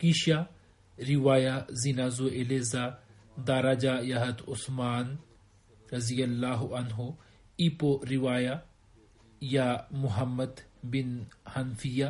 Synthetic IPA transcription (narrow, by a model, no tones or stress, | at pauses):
kiʃa | ɾiʋaːjazinaːzoʔeleza | d̪aːɾaːd͡ʒajɐɦɐt̪ʊsmaːn | ɾɐzijɐlːaːɦuʔɐnɦo | ipoɾiʋaːja | jamʊɦɐmːɐd̪binhɐnfija